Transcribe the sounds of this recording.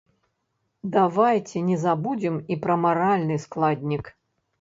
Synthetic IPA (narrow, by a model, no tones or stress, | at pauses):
d̪avajt͡sʲɛnʲɛzabud͡zʲimipɾɐmaɾalʲnɨsklˠad̪ʲnʲik